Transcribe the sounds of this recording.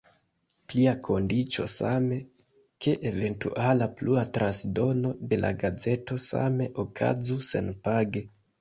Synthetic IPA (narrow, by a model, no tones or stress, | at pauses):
pliakʰo̞ndit͡ʃo̞̰sa̰me̞ | ke̞ʔeve̞ntṵʔalapluatɾʔansdo̞no̞de̞lʔa̰ɡad͡ze̞to̞sa̰me̞ʔokʰa̰zuse̞̰npaɡe̞